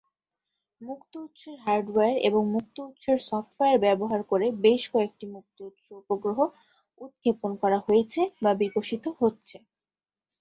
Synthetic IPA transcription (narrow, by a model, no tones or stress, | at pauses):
mukt̪out̪ːʃeɾɦaɾɖeɾḛboŋmuk̚t̪out̪ːʃeɾsɔfʈfeeɾbɛboɦaɾkoɾebeʃkɔek̚ʈimuk̚t̪out̪ʃoupoɡɾoɦo | ud̪̚kʰeponkɔɾaɦojet͡ɕʰebabikoʃit̪oɦotːɕʰe